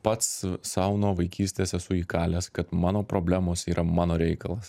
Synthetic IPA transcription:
pɐt̪ssɐʊnoːʋɐɪkʲiːsʲt̪ʲeːsɛsʊiːkɑːlʲɛːskɐt̪mɑːnoːpɾoːbʲlʲæmoːsiːɾʔɐmɑːnoːɾʲɛɪkɐlˠɐs

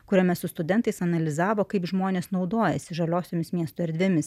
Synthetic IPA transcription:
kʊɾʲɛmʲɛsʊst̪ʊd̪ʲɛnt̪ɐɪsɐnɐlʲɪzɑːʋoːkɐɪpʒmoːnʲeːsnɒʊd̪oːjɛsʲɪʒɐlʲoːsʲoːmʲɪsmʲiɛst̪ʊɛɾʲd̪ʲʋʲɪmʲɪs

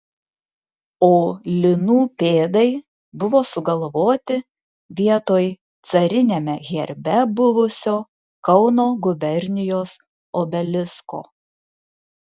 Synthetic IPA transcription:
oːlʲɪnuːpʲeːd̪ɐɪ | bʊʋoːsʊɡɐlˠʋoːt̪ʲɪ | ʋʲiɛt̪oːj | t̪sɐɾʲɪnʲemʲɛɣʲɛɾʲbʲɛbʊʋʊsʲoː | kɒʊnoːɡʊbʲɛɾʲnʲɪjoːs | obʲɛlʲɪsko̰ː

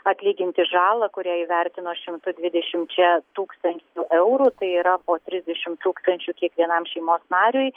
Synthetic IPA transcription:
ɐt̪ʲlʲiːɡʲɪnʲt̪ʲɪʒɑːlˠɐkʊɾʲæːiːʋʲæɾʲt̪ʲɪnoːʃʲɪmt̪ʊd̪ʲʋʲɪd̪ʲɛʃʲɪmt͡ʃʲɛt̪uːkst̪ɐnʲt͡ʃʲuʔɛʊɾuːt̪ɐɪiːɾɐpoːt̪ʲɾʲɪzʲd̪ʲɛʃʲɪmt̪uːkst̪ɐnʲt͡ʃʲuːkʲiɛkʋʲiɛnɐmʃʲɛɪmoːsnɑːɾʲʊj

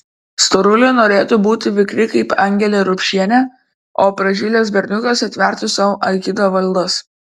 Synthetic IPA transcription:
st̪ɔɾʊlʲʊnoːɾʲeːt̪ʊbuːt̪ʲɪʋʲɪkɾʲɪkɐɪpɐŋʲɡʲɛlʲeːɾʊpʲʃʲiɛnʲɛ | oːpɾɐʒʲɪːlʲeːs̬bʲɛɾʲnʲʊkʲosɐt̪ʲʋʲɛˑɾʲt̪ʲʊsɐʋʔɐɪkʲɪd̪oːʋɐlʲd̪ɐs

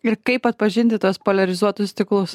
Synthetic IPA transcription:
ɪɾkɐɪpɐt̪̚pɐʒʲɪnʲt̪ʲɪt̪uɔspoːlʲɐɾʲɪzuɔt̪ʊst̪ʲɪklˠʊs

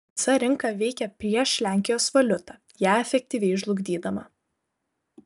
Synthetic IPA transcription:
sɐɾʲɪŋkɐʋʲɛɪkʲɛpʲɾʲiɛʃlʲæːˑŋʲkʲɪjoːsʋɐlʲʊt̪ɑː | jæːɛfʲɛk̚ʲt̪ʲiːʋʲɛɪɪʒlˠʊɡd̪ʲiːd̪ɐmɐ

